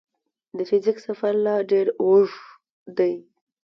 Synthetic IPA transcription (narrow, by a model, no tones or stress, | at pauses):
d̪əfɪzɪksafaɾlɑɖeɾwʊʐ | d̪aj